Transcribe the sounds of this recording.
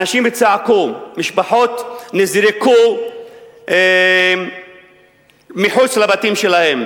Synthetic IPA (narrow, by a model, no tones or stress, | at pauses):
naʃimet͡saʕakumiʃbaħo̞t̪nezɾeku | miħut͡slabatimʃelahe̞m